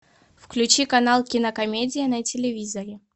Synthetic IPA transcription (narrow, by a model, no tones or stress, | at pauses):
fklʲʉt͡ɕikɐnalˠkʲɪnəkɐmʲedʲɪjɪnɐtʲɪlʲɪvʲizəɾʲɪ